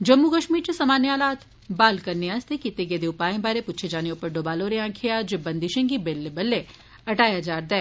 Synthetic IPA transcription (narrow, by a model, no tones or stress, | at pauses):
d͡ʒɐmːukɐʃmiːɾt͡ʃesɐmaːnjaːlaːt̪ | baːlkɐɾneaːst̪ekit̪ːeɡed̪eʊpaːjẽbaːɾepʊtːt͡ʃʰed͡ʒaːneopɐɾɖobaːloːɾeãːkʰejaːd͡ʒebɐ̃nd̪ɪʃẽŋɡibelːebɐlːe | ɐʈaːjad͡ʒaːɾd̪ɛː